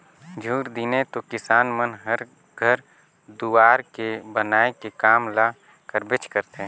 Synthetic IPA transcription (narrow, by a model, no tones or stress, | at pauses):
d͡ʒʱuːɾd̪ɪnet̪okɪsaːnmənɦəɾ | ɡʱəɾ | d̪uaːɾkebənaːekekaːmlaː | kəɾbɪt͡ʃkəɾt̪ẽ